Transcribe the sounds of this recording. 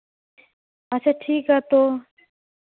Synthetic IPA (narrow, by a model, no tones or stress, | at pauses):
ɐt͡ʃʰaːʈʰiːkɦat̪oː